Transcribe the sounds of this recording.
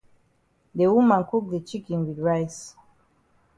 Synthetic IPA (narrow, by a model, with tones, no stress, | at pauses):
de˨wu˦mã˨nku˦k̚d̪e˨t͡ʃi˦kĩnwi˨dɹajs